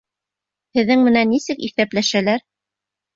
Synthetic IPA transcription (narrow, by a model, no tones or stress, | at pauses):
hɘ̆ðːɘŋmɘ̆nænːisɘkiθæplæʃælæɾ